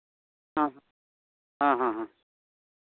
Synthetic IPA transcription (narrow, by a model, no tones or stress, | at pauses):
ɦãɦ | ɦãɦãɦã